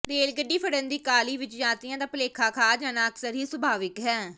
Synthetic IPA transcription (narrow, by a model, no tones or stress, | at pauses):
ɾeːlɡəɖːiːpʰəɽənd̪iːkaːliːʋɪt͡ʃd͡ʒãːt̪ɪjãːt̪aːpəleːkʰaːkʰaːd͡ʒaːnãːəksəɾɦiːsəbʱaːʋɪkɦɛː